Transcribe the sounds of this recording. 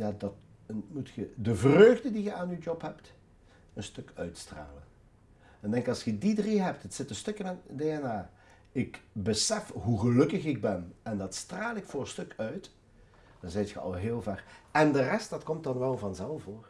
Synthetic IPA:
jaːdɑt | mutxədəvrøːɣdədiɣəaːnywd͡ʒɔpɦɛpt | ənstɵkœɥtstra̰ːlən | ɛndɛŋkɑlˠsxədidriɦɛp̚tətsɪtənstɵkɪnadeːɛnaː | ɪkbəsɛfɦuɣəlɵkəxɪɡ̚bɛnɛndɑtstraːlˠɪkfʊːɹstɵkœɥt | d̥ɑnzɛjtxəɑ̰lˠɦɪːlˠvɛrɛndərɛstdɑtkɔmt̚dɑnʋɛlˠvɑnzɛlˠfoːr

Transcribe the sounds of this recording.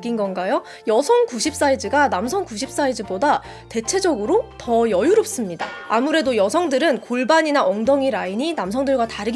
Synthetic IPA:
k͈inɡʌnɡajo | jʌsʰʌŋkuɕʰip̚s͈aid͡ʑɯɡanamsʰʌŋkuɕʰip̚s͈aid͡ʑɯboda | te̞t͡ɕʰe̞d͡ʑʌɡɯɾotʌjʌjuɾop̚s͈ɯmɲida̰amuɾe̞dojʌsʰʌŋdɯɾɯnkoɭbaɲinaʔʌŋdʌŋiɾaiɲinamsʰʌŋdɯɭɡwataɾɯɡ

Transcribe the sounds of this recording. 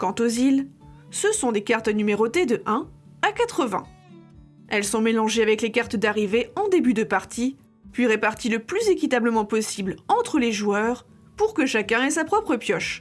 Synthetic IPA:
kɑ̃t̪ozilsəsɔ̃d̪ekaʁt̪nymeʁot̪ed̪əʔɛ̃ | akat̪χəvɛ̰̃ | ɛlsɔ̃melɑ̃ʒeavɛklekaʁt̪d̪aʁiveɑ̃d̪ebyd̪əpaʁt̪ʰi | pɥiʁepaʁt̪iləplyzekʲit̪abləmɑ̃pɔsiblɑ̃t̪χəleʒuwœʁ | puʁkəʃakʲɛ̃ɛsapχɔpχəpjɔʃ

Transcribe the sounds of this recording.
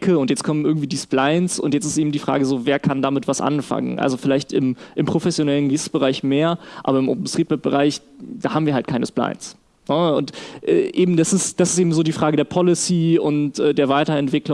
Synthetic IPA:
kʰəʊntjɛt͡skʰɔmən̩ɪɐɡŋ̩tv̥iːdiːsplaɪnsʊ̰ntjɛt͡sɪ̥stʔeːbm̩diːfʁ̥a̰ːɡəzoːveːɐkʰandaːmɪtv̥asʔa̰nfa̰ŋə̰nʔa̰lzofɪlaɪçtɪmʔɪmpʁ̥ofɛsjonɛlənɡissb̥əʁaɪçmeːɐʔa̰ːbɐɪmʔo̰ːp̚m̩stʁ̥iːtmɛt̚b̥əʁaɪç | d̥aːhaːm̩viɐhalt̚kʰaɪnəspla̰ɪns | nəʊntʔɛ̰ːʔeːbm̩d̥asɪsd̥asɪ̥steːbm̩zoːdiːfʁ̥aːɡədeːɐpʰɔlɪsiːʊntʔɛːdeːɐvaɪtɐɛntv̥ɪklʊ

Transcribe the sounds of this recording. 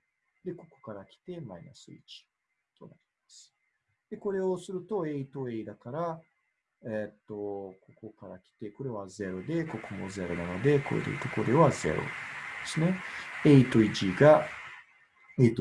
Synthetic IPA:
d̪e̞ko̞ko̞̥kaɾakʲi̥t̪e̞maina̰sɨḭt͡ɕi̥ | t̪o̞naɾʲimasɨ̥ | d̪̥e̞ko̞ɾe̞o̞sɨɾɯ̟t̪o̞e̞it̪o̞e̞id̪akaɾa | et̪ːo̞ko̞ko̞kaɾakʲi̥t̪e̞ko̞ɾe̞βaze̞ɾo̞d̪e̞ko̞komo̞ze̞ɾo̞nano̞d̪e̞ko̞̰ḛd̪ḛt̪okod̪e̞βaze̞̰ɾo̞̰d̪̥esɨne̞eit̪o̞iʑiɡa | et̪

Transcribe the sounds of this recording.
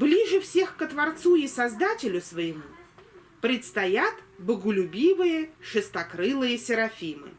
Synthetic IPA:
blʲiʐɨfsʲe̞xkət̪vɐrt̪suɪsɐzd̪atʲɪlʲʊsvəjɪmu | pɾʲɪt̪st̪ɐjat̪bəɡʊlʲʊbʲivɨjəʂɨst̪ɐkɾɨlˠɨjəsʲɪɾɐfʲimɨ̰

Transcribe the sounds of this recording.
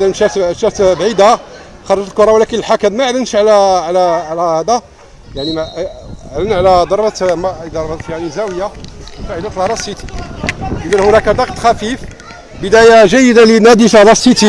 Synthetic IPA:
d̪ænʃæt̪ʃæft̪bʕid̪a | xɑɾˤɑt̪lkʊɾˤɑwlækənəlħakæd̪mæʕlənʃʕlæʕlæʕlæhæd̪æ | jaʕnimæʕlənʕlæd̪ɑɾˤbɑt̪md̪ɑɾˤbɑt̪jaʕnizæwəjafaʕləflɾˤɑsˤit̪i̥ | ʔəd̪ænhʊnækæd̪ɑqt̪xæfif | bəd̪æjaʒæjːəd̪alinæd̪iʃhd̪ˤɑsˤːit̪i

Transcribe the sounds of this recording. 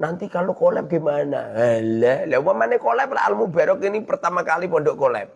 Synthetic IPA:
nant̪ikalokolɛp̚ɡ̥i̤mana̰halɛlɛwamanekolɛp̚la̰a̰lmubaɾɔkinipərt̪amakalipɔnɖɔʔkolɛ̰p̚

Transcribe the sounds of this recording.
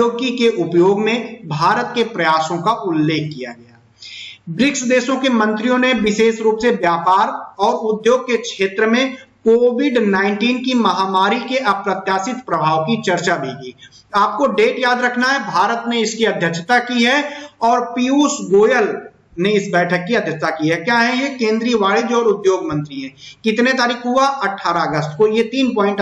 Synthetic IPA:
oːɡikeʔʊpjoːɡmẽbʱaːɾət̪kepɾɐjaːsõkaʔʊlːeːkʰːija̰ɡɐja̰ː | bɾɪksd̪eːʃõkemɐ̃nt̪ɾijõnebɪseːʃɾuːpsebjaːpaːɾɔːɾʊd̪joːɡ̚kekʃeːt̪ɾəmẽkoːʋɪɖnãːɪ̃ɳʈiːnkimɐɦaːmaːɾikeʔɐpɾət̪jaːsɪt̪pɾɐbʱaːʋkit͡ʃɐɾt͡ʃabʱiɡḭː | aːp̚koɖeːʈjaːd̪ɾɐkʰnaɦɛbʱaːɾət̪neɪskiɐd̪ʱjət͡ʃʰt̪akiɦɛɔːɾpiuːsɡoːjəl | neɪsbɛːʈʰəkːiɐd̪ʱjət͡ʃʰt̪akiɦɛkjaːɦɛjekẽːnd̪ɾiːəʋaːɭid͡ʒɔːɾʊd̪joːɡmə̃nt̪ɾiɦɛ̃ːkɪt̪net̪aːɾiːkʰɦuaʔɐʈʰːaːɾaɐɡəst̪kojet̪iːnpɔ̃ːɪ̃ɳʈ

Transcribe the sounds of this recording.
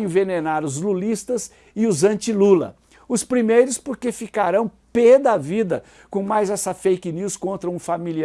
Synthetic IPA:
ẽvenenaɾʊzlulist̪ɐs | ɪʊzɐ̃nt͡ʃilulɐ̰ | ʊspɾimejɾʊspoɾkefikaɾɐ̃w̃ped̪ɐavid̪ɐ | kõmajzɛsɐfejkniwskõnt̪ɾɐũfamili

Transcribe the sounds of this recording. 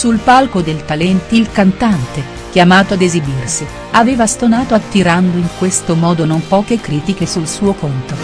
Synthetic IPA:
sulpalkod̪elt̪alɛnt̪ilkant̪ant̪e | k̟jamaːt̪oad̪ezibirsi | avɛːvast̪onaːt̪oat̪ːiɾand̪oiŋkwest̪omɔːd̪onompɔːkekɾiːt̪ikesulsuːokont̪o

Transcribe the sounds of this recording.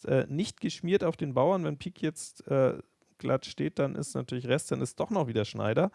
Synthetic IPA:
tʔɛ̰ːnɪçt̚ɡ̥əʃmiːɐtaʊfd̥eːnbaʊɐnvɛnpʰiːkʰjɛt͡stʔɛː | ɡ̥lʔatʃteːt̚d̥anʔɪ̰stnatʰyːɐlɪçʁɛst̚d̥anɪst̚d̥ɔχnɔχv̥iːdɐʃna̰ɪdɐ

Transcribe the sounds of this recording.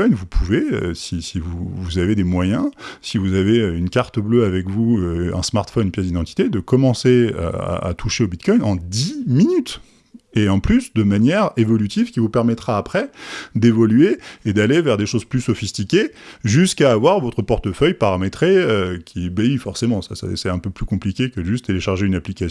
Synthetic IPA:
ɔjnvupʰuveø̰sisivuvuzaved̪emwajɛ̃sivuzaveøynkʲaʁt̪əbløavɛkvuøɛ̰̃smaʁt̪fɔnpjɛd̪id̪ɑ̃t̪i̥t̪ed̪əkɔmɑ̃sea̰a̰a̰t̪ʰuʃeobit̪kɔjnɑ̃d̪iminyt̪ | eɑ̃plysd̪əmanjɛʁevɔlyt̪ivkʲivupɛʁmɛt̪χaːpχɛd̪evɔlɥeed̪alevɛʁd̪eʃozplysɔfist̪ikʲeʒyskaːvwaʁvɔt̪χəpɔʁt̪əfœjpaʁamet̪χeøkʲʰibeifɔʁsemɑ̃sasɛ̰sɛɛ̃pøplykɔ̃plikʲekəʒyt̪t̪ːeleʃaʁʒeynaplikʲasj̃

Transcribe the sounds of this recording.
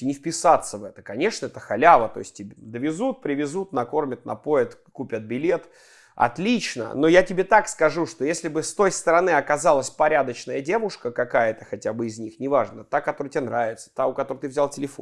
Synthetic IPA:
nʲɪfpʲɪsat̪sːəvɛt̪ə̥kɐnʲe̞ʂnəɛt̪əxɐlʲavət̪o̞̰ɪsʲtʲtʲɪbʲd̪əvʲɪzut̪̚pɾʲɪvʲɪzut̪nɐko̞rmʲət̪̚nɐ̰po̞ɪt̪kupʲət̪̚bʲɪlʲe̞t̪ | ɐ̰t̪lʲit͡ɕnə̰no̞jatʲɪbʲet̪akskɐʐuʂt̪o̞jesʲlʲɪbɨst̪o̞jst̪əɾɐnɨɐkɐzɑlˠəsʲpɐɾʲad̪ət͡ɕnəjədʲe̞vʊʂkəkɐkajət̪əxɐtʲabɨɪzʲnʲixnʲɪvaʐnət̪akɐt̪oɾɨjtʲɪbʲenɾavʲɪt̪sə̥t̪aʊkɐt̪oɾət̪ɨvzʲalˠtʲɪlʲɪfo

